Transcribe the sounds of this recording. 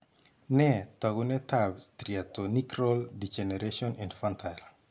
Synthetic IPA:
nɛt̪aɡunɛt̪abst̪ɾiatonikɾɔldid͡ʒɛneɾeʃɔninfantʰal

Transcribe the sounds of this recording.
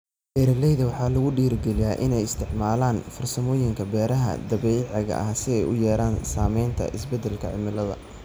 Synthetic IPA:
bɛːɾɐlɛjðɐwɑħɑːlɐɣʊɖiːɾɡɛlɪjaːʔɪnɛjɪst̪ʰɪʕmaːlaːnfɐrsɐmɔːjɪŋkʰɐbɛːɾɐɦɐ̰d̪ɐbɛjʕɑɣɐ̰ʔɐsɪɛjʊjɛːɾaːnsaːmɛjnt̪ʰɐ̰ʔɪsbɛd̪ːɛlkʰɐʕɪ̰mɪlɐðɐ̰

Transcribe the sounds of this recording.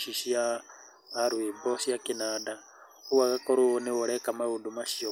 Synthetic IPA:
ʃiʃijaː | ɾuimbɔsijakinada | uwakakʼɔɾuwɔniwɔɺɛkʼamaudumaʃijɔ

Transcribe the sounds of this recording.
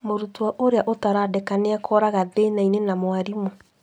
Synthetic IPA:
moɾutuaʔoɾeaʔotaɾaːdɛkaneakʰɔɾaɣaðeːnainenamwaɾimo

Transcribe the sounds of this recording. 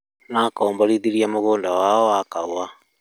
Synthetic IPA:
nakɔːmbaɾiðiɾiamoɣoːndawaɔakaua

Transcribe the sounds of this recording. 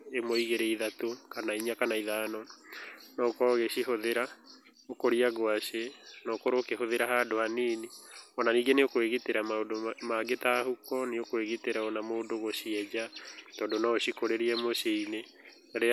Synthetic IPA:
emoiɣeɾɛiðatokanaiɲakanaiðaːnɔ | nɔkɔɣeɕiɦoðeɾa | okoɾiaɡwaʃenɔkoɾokeɦoðeɾaɦadoaniːniɔnaniːɡeneokoeɣiteɾamaodomaɡetahukɔneokoeɣiteɾaɔnamoːndoɣosiɛd͡ʒatɔːdonaoɕikoɾeɾiɛmoseine | aɾe

